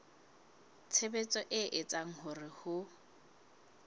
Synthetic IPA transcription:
t͡sʰebet͡sʼɔʔɪʔɪt͡sʼaŋ̩hʊrɪhʊ

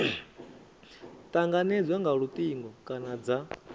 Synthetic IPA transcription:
t̪ʼaŋɡanɛd͡zwaŋɡaɺut̪ʼiŋɡɔkʼanad͡za

